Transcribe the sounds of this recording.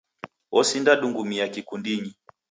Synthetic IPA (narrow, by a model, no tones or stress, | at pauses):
ɔsindaɗuŋɡumiakikundiɲi